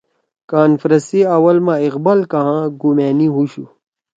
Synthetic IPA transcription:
kaːnfɾɐsiɐwɐlmãiqbɐlkɐɦãɡumeːniɦuɕu

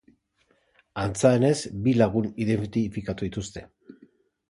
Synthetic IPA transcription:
ant͡saene̞zbilaɣ̞uniðent̪ifikat̪uðit̪ust̪e̞̥

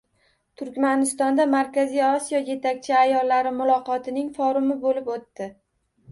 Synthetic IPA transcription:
t̪ʰʊɾkʲmanɪst̪ɒnd̪amaɾkʲazijɒsijɒje̞t̪ʰakʲt͡ʃʰɪajɒlːaɾɪmʊlˠɒqɒt̪ʰɪnɪŋfɒɾʊmɪbolɪpot̪ːɪ

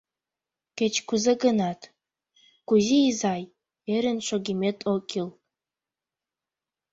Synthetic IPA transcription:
kʲet͡ʃʰʼkʷʊzɐɡɐnatʰ | kuziːzaj | eɾɨnt͡ʃʷʰoɡʲimetʰʼokʲʰʼil

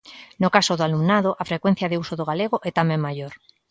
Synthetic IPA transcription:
nokasoðoalumnaðoʔafɾekwen̟θjaðeusoðoɣaleɣ̞oʔɛt̪amẽŋmajoɾ

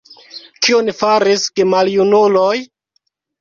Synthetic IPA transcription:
kionifaɾiskemaljunuloj

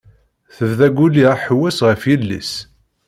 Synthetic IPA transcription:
θəvðæɡʷuliʁaħwæsʁəfjilːḭs

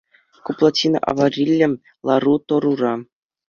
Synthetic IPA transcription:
kuplˠatʲinɑ̰ʔɑ̰varʲilʲːɘ̆m | lˠɑrut̪ŏɾurɑ

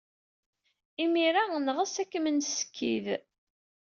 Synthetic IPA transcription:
imiɾaənʁəsækːəmənsə̥kʰːḭð

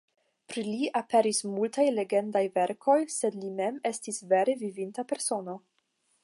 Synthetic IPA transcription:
pɾiliʔape̞ɾismultajle̞ɡe̞ndajve̞ɾkʰo̞jsedlime̞me̞stisve̞ɾe̞vivintape̞ɾso̞no̞

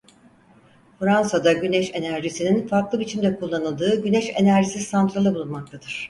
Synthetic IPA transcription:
fɾansad̪aɟynɛʃe̞næɾʒisininfaɾklˠɯbit͡ʃʰimd̪ɛkʰulˠːanɯlˠd̪ɯːɟynɛʃe̞næɾʒisizsant̪ɾalˠɯbulˠunmak̚t̪ʰad̪ɯɾ̝̥

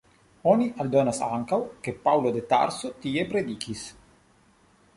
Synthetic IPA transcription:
oniʔald̪onasa̰ŋkawkepawlod̪et̪a̰ɾsot̪iepɾed̪ikis

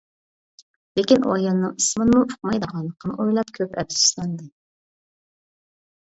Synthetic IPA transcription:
lekʲinʔo̰jɑnːɨŋɨsmɨnɨmuʊ̥qmɑjd̪əʁɑnlˠəqːənɨʔojlˠɑpkʲʰøpɛ̰psi̥ʃlˠɑnd̪ɨ

